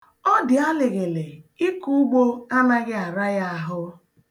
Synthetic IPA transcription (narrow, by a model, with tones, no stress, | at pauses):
ɔ˦dɪ˨a˦le˨ɣe˨le˨i˦ku˦u˦ɡ͡bo˦a˦na˦ɣɪ˦a˨ɾa˦ja˦a˨ɦʊ˦